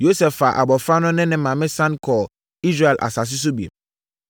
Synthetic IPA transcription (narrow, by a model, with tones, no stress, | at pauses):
jo˦sɛ˨fa˨ʔa̰˨bɔ˨fɾa˦nʊ̃˦nɪ̃˦nɪ̃˨mã˨mɪ̃˦sã˦nkʰɔ˨ | i˦s̬ɾe˦ɛ˨lʔa̰˨sa˨s̬ɪ˦s̬ʊ˦bi˨ḛ˨m